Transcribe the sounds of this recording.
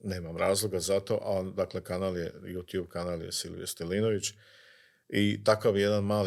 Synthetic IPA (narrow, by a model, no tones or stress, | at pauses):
ne̞ːmamɾaːzlˠoɡazat̪o̞ʔad̪akle̞kanaːljḛjuːt̪juːbkanaljḛsilʋḭest̪elinoʋit͡ɕ | it̪akaʋje̞d̪anmaːl